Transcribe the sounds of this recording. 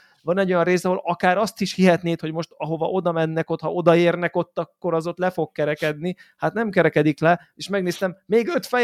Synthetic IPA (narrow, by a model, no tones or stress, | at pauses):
vɒnɛɟːo̞jɒnreːsɒɦo̞lɒkaːɾɒst̪iʃhiɦɛt̪neːt̪ho̞ɟmo̞ʃt̪ɒɦo̞vɒ̰ʔo̞d̪ɒmɛnːɛko̞t̪hɒo̞d̪ɒeːrnɛko̞t̪ːɒkːo̞ɾɒzo̞t̪lɛfo̞k̚kɛɾɛkɛd̪nihat̪nɛmkɛɾɛkɛd̪iklɛ | eːʃmɛɡneːst̪ɛmːeːɡø̞t̪fɛ